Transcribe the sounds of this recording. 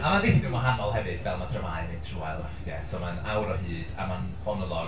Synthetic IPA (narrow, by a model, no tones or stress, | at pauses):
amaðɪnɪmɔɦanɔlˠɦɛvɨd̥vɛlˠmadʰrəmaɨnetʰruɛlˠrafdjɛsoːmanawɾɔɦɨːd̥a̰man | fɔnɔlˠɔ